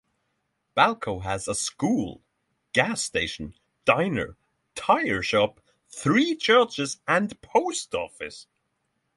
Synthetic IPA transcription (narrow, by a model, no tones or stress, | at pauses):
b̥ælˠkʰoʊəzəskuːlˠ | ɡ̥æsteɪʃə̃n̩ | d̥ãɪ̃nə̰˞ | tʰaɪə˞ʃɑp̚ | θɹiːt͡ʃʰɜ˞t͡ʃɪzə̃npʰoʊstɔ̰fɪs